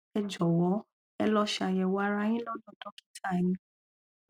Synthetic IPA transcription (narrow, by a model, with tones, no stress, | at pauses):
ɛ˧d͡ʒɔ˨wɔ˨˦ | ɛ˧lɔ˧ʃa˨jɛ˨wa˦ɾa˧˦j̃ĩ˦lɔ̃˦˨dɔ̃˨dɔ˨˦ki̥˦tʰa˦˨jĩ˨˦